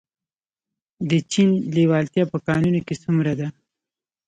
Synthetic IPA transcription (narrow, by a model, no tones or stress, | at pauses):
d̪ət͡ʃinlewɑlt̪jɑpəkɑnunokesumɾad̪a